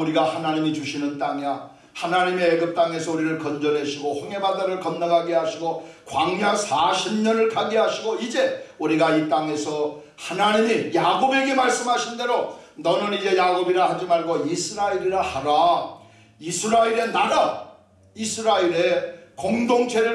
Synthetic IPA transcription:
uɾiɡahanaɲimit͡ɕuɕʰinɯnt͈aŋa | hanaɲime̞ːɡɯp̚t͈aŋe̞sʰʌuɾiɾɯɭkʌnd͡ʑʌnɦe̞ɕʰiɡoɸɯŋe̞badaɾɯɭkʌmnaɡaɡiaɕʰiɡokwaŋɦjasʰaɕʰimɲʌnɯɭkʰaɡiɦaɕʰiɡoid͡ʑe̞uɾiɡait͈aŋe̞sʰʌ | hanaɲimijaɡobe̞ɡe̞maɭs͈ɯmɦaɕʰinde̞ɾonʌnɯnid͡ʑe̞jaɡobiɾahad͡ʑimaɭɡoisʰɯɾaiɾiɾahaɾa | isʰɯɾaiɾe̞naɾa | isʰɯɾaiɾekoŋdoŋt͡ɕʰe̞ɾɯ

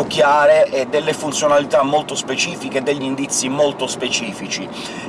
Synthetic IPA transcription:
ok̟ːjaːɾeʔɛd̪elːefunt̪sjonalit̪amːolt̪ospet͡ʃiːfiked̪ːeʎːind̪it̪sːimolt̪ospet͡ʃiːfit͡ʃi

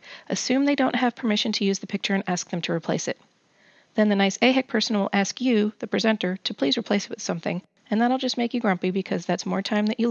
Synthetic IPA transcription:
ʔɨsʉ̃mðeɪdõʊ̃nt̚ɦɨv̥pʰə˞mɪʃɨ̃n̩tʰɨjʉzðɨpʰɪk̚t͡ʃə˞ɨ̃næsk̚ðɨ̃mtʰɨɹipʰl̥eɪsɨ̰t̪̚ | ðɨ̃nðɨnaɪseɪɦɪk̚pʰɜ˞sn̩wɪlˠʔæskjɨðɨpʰɹ̥ɨzɛ̃ntə˞ɾɨpʰl̥izɹipʰl̥eɪsɨt̚wɨð̥sʌ̃mθɪ̰̃ŋ | ɨ̃nðəɾaɪlˠd͡ʒʌstmeɪkjɨɡɹʌ̃mpibɨkʰʌzðætsmɔɹtʰãɪ̃mðɨt͡ʃɨ

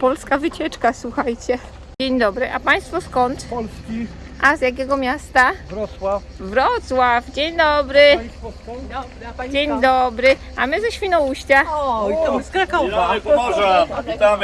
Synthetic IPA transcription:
pɔlskavɘt͡ɕɛt͡ʂkaswuxajt͡ɕɛ | d͡ʑeɲd̪ɔbɾɘʔapaj̃st̪fɔskɔnt̪pɔlskʲi | ʔazjak̬ʲɛɡɔmʲjast̪avɾɔswafvɾɔt̪swafd͡ʑeɲd̪ɔbɾɘ | d͡ʑeɲd̪ɔbɾɘ | amɘzɛɕfʲinɔwuɕt͡ɕa | sakɔva | a

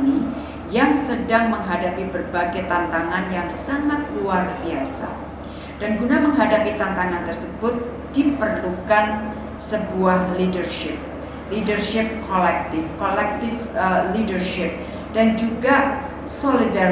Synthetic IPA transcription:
ni | jaŋsədaŋməŋɦadapibərbaɡat̪ant̪aŋanjaŋsaŋat̪̚luarbiasa̰ | d̥anɡunaməŋɦadapit̪ant̪aŋant̪ərsəbʊt̪̚ | d̥ipərlukan | səbuahlidərʃɪp̚ | lidərʃɪp̚kolɛk̚t̪ɪfkolɛk̚t̪ɪfəlidərʃɪp̚ | d̥and͡ʒuɡa | solida

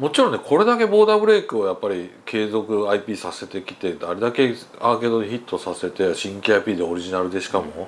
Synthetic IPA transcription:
mo̞t͡ɕiɾõnekʰo̞ɾe̞d̪ake̞bo̞ːd̪abɯ̟ɾe̞ːkɯ̟ojapːaɾʲikʰe̞ːzo̞kɯ̟aipʲiːsase̞t̪e̞kʲi̥t̪e̞d̪aɾe̞d̪ake̞ | ake̞d̪oniçit̪ːo̞sase̞t̪e̞ɕĩŋkʲiaipʲiːd̪eo̞ɾʲiʑinaɾɯ̟d̪e̞ɕi̥kamo̞

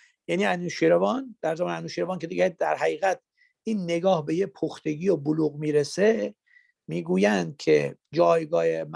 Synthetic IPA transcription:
jæniːænuʃiɾevɒnd̪̥æɾzæmɒːneænuːʃiːɾɒːncʰe̞d̪iɡed̪æɾɦæɣiːɣæt̪̚ | ʔiːnːeɡɒːhbe̞jepʰoxt̪e̞ɡiːoboluːɣmiːɾese | miːɡuːjænd̪̥̚cʰḛd͡ʒɒːjɡɒːhem

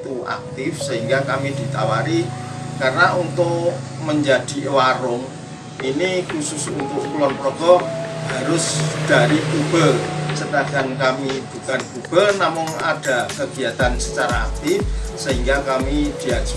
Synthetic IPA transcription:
t̪ua̰k̚t̪ɪfsəɦiŋɡakamid̪̥i̤t̪awaɾi | karənaʔunt̪ʊʔməɲd͡ʒad̪̥i̤ʔwaɾʊŋ | ʔinikusʊsunt̪ʊʔkulɔnpɾɔɡ̥ɔhaɾʊsd̪̥a̤ɾikub̥əsədaɡ̥ankamib̥ukankub̥ənamʊŋa̰d̥a̤kəɡ̥i̤at̪ansət͡ʃaɾa̰ːk̚t̪ɪfsəɦiŋɡakamid̪̥iad͡ʒ

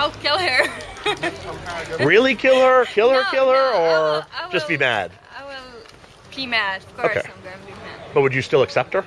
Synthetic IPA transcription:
aɪkʰɪlˠə˞ | ɹɪlˠikʰɪlˠhə˞kʰɪlˠhə˞kʰɪlˠhə˞ə˞d͡ʒʌsb̥imæ̰d̥̚ | awɪlˠ | b̥imæd̥oʊkḛɪ | b̥ʌt̚wɨd͡ʒɨstɪlˠəksɛp̚t̚hə˞

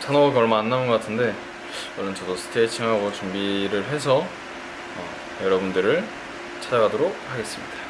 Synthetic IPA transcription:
t͡ɕʰanoɡɡʌɭmaːnːaunɡʌk͈atʰɯnde̞ | wʌɭːont͡ɕʌdosʰɯ̥tʰeːt͡ɕʰiŋɦaɡot͡ɕumbiɾɯɭɦe̞s̬ʰʌ | ʌ | jʌɾʌbundɯɾɯɭ | t͡ɕʰad͡ʑaɡadoɾok̚haɡe̞s͈ɯmɲid̥a

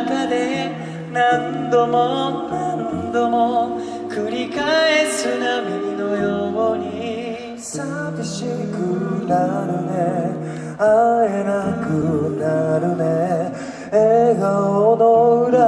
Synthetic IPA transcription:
kad̪e | nãnd̪omonand̪omo | kɯɾʲikaesɨnamʲinojoɡoɲi | sa | biɕikɯnaɾɯne | aenakɯnaɾɯne | eɡaod̪oɯɾa

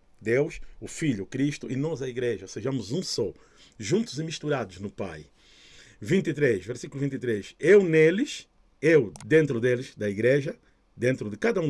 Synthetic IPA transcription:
d̪ewʃʊfiʎukɾiʃt̪ʊʔinɔzɐiɡɾeʒɐseʒɐ̃mʊzũsɔ | ʒũnt̪uzimiʃt̪uɾad̪ʊznʊpa̰j | vĩnt̪it̪ɾeʃveɾsikuluvĩnt̪it̪ɾeʃewnelɪʃ | ewd̪ẽnt̪ɾʊd̪elɪzd̪ɐiɡɾeʒɐ | d̪ẽnt̪ɾʊd̪ɪkad̪ɐũ

